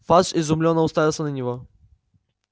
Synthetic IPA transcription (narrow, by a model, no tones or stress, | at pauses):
faʂɪzʊmlʲonːəʊst̪avʲɪlˠsʲənənʲɪvo